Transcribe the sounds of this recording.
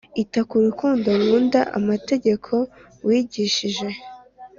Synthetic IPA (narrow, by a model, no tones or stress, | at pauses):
itakuɾukuːndoɾuːndaʔa̰mate̞ɟe̞kʰo̞ | wiːɟiʃiʒe̞